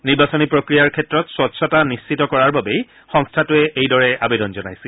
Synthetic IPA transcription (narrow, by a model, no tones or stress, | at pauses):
niɹbasɔnipɹokɹijaɹkʰɛtɹɔtswɔtsʰɔtanist͡ʃitɔkɔɹaɹbabej | xɔŋstʰatʊɛʔejdɔɹɛa̰bedɔnzɔnajsɛ